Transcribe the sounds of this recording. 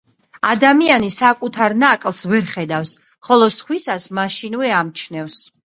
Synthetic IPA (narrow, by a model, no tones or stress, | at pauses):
ad̪amianisakʼut̪ʰaɾnakʼlˠsvɛɾχɛd̪afs | χɔlˠɔsχwisasmaʃinvɛamt͡ʃʰnɛvs